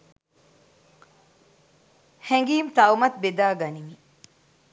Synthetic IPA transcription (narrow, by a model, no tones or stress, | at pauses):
heŋɡiːmt̪ɐumɐt̪̚bed̪aːɡɐnimi